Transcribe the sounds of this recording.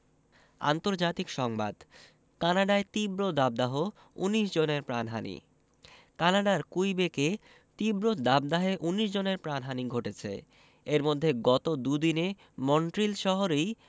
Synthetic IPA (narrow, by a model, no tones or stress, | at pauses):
a̰nt̪oɾd͡ʑat̪ikʃɔŋba̰d̪ | kanaɖaet̪ibɾod̪ab̚d̪aɦo | ṵniʃd͡ʑoneɾpɾanɦa̰nḭ | kanaɖaɾkujbeke | t̪ibɾod̪ab̚d̪aɦeʔuniʃ̬d͡ʑoneɾpɾanɦaniɡʱoʈet͡ɕʰḛ | eɾmod̪ʱːeɡɔt̪od̪ud̪ine | mɔɳʈɾilʃɔɦoɾej